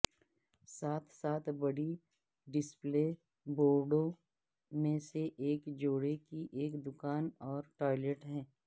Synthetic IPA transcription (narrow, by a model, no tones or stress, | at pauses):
saːt̪ʰsaːt̪ʰbɐɽi | ɖɪspleː | boːɾɖõ | mẽseʔeːkd͡ʒoːɽekiʔeːkd̪ʊkaːnɔːɾʈɔːɪləʈɦɛ̃ː